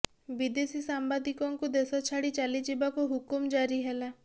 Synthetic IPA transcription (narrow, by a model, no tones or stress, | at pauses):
bid̪esisambad̪ikɔŋkud̪esɔt͡ʃʰaɽit͡ʃalid͡ʒibakuɦukumd͡ʒaɾiɦela